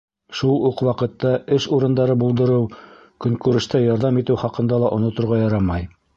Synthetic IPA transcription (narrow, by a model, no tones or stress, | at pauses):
ʃulˠuqwɑqɤ̆t̪ːɑɘʃuɾɤ̆nd̪ɑɾɤbulˠd̪ɤ̆ɾɤw | kɵ̆ŋkʉɾɘ̆ʃt̪æjɑɾðɑmit̪ɘwχɑqɤ̆nd̪ɑlˠɑʔŏnŏt̪ŏɾʁɑjɑɾɑmɑj